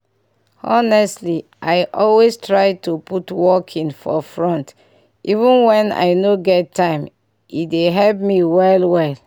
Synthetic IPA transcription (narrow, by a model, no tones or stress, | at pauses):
ɔnɛstliʔaɪʔɔlwestɹaɪtuputwɔkʰĩŋfɔ̰fɹɔ̃nt | ʔivũnwɛ̃na̰ɪnoɡɛttːãɪ̃m | itdeɦɛlp̚miwɛlwɛl